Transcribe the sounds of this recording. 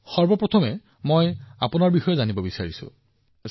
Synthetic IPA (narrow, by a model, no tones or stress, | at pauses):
xɔɹbɔpɹɔt̪ʰɔmɛ | moja̰pʊnaɹbixɔjɛzanibɔbisaɹisʊ̰̃